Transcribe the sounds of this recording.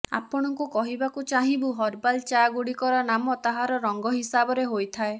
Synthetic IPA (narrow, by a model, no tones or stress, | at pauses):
a̰pɔɽ̃ɔŋkukɔɦibakut͡ʃaɦĩbuɦɔɾbalt͡ʃaɡuɽikɔɾɔnamɔt̪aɦaɾɔɾɔŋɡɔɦisabɔɾeɦojt̪ʰae